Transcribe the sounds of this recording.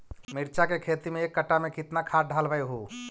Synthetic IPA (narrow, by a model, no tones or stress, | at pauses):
mɪɾt͡ʃakekʰeːt̪imẽeːkːɐʈamẽkɪt̪nakʰaːɖʱaːlʋaeɦoː